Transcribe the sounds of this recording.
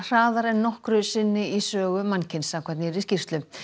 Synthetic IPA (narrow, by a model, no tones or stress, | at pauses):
r̥aːðaɾɛnːɔhkɾʏsɪnːɪisœːɣʏmancɪnsamkʰvɛt̪nɪɛɾiscir̥t̪lʏm